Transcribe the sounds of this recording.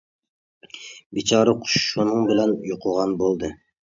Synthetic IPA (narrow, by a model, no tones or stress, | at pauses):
bit͡ʃʰɑːɾɑqʰʊ̥ʃʃunɨŋbɪlɛnjoqʰʊʁɑnbolˠd̪ɨ